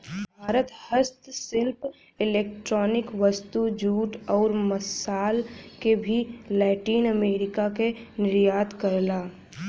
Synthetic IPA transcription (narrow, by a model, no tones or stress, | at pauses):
bʱaːɾət̪həst̪sɪlp | ɪleːk̚ʈɾɔːnɪkʋəst̪ud͡ʒuːʈɔːɾməsaːlkebʱilɛːʈiːnəmeːɾɪkakenɪɾjaːd̪kəɾlaː